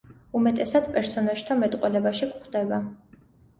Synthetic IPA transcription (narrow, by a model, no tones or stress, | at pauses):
umɛt̪ʼɛsad̪̥pʼɛɾsɔnaʒ̥t̪ʰamɛt̪ʼqʼwɛlɛbaʃikχd̪ɛba